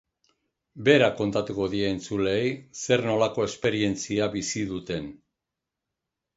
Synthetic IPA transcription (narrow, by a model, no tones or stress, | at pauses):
be̞ɾako̞nt̪at̪uko̞ðie̞ːnt͡sule̞jse̞ɾno̞lako̞e̞spe̞ɾie̞nt͡siaβisiðut̪e̞n